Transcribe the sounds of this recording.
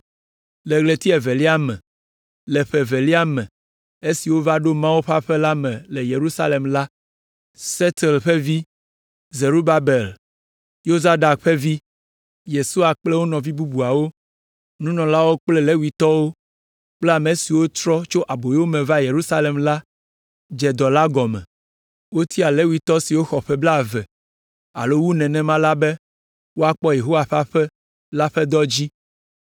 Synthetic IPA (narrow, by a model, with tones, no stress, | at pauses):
le˨ɡle˨t̪i˦ɛ˨ve˨li˦a˦mɛ̰̃˨ | le˨ɸe˨ve˨li˦a˦mɛ̰̃˨ | e˦si˨wo˦va˦ɖo˦mã˦wu˦ɸa˦ɸe˦la˦mɛ̃˨le˨je˨ɾu˦sa˦le˨mla˦ | se˦t̪ɛ˨lɸe˦vi˦ | ze˨ɾu˦ba˦be˨l | jo˦za˦da˨k̚ɸe˦vi˦ | je˨su˦a˨k͡plɛ˦wo˦nɔ̃˨vi˦bu˦bu˨a˨wo˦ | nũ˦nɔ̃˨la˦wo˦k͡plɛ˦le˦wi˨t̪ɔ˦wo˦ | k͡plɛ˦a˨me˨si˨wo˦t̪ɾɔ˦t͡ʃo˦ʔa˨bo˨jwo˦mɛ̃˨va˦je˨ɾu˦sa˦le˨mla˦ | d͡ʒɛ˨d̪ɔ˨la˦ɡɔ˨mɛ̰̃˨ | wo˦t̪ʰi˦a˨le˦wi˨t̪ɔ˦si˨wo˦xɔ˨ɸɛ˦bla˨vɛ˨ | a̰˨lo˦wu˦nɛ̃˨nɛ̃˨mã˦la˦bɛ˦ | wo˦a˦˨k͡pɔ˦je˨ɦo˦wa˨ɸa˦ɸɛ˦ | la˦ɸɛ˦d̪ɔ˦d͡ʑi˦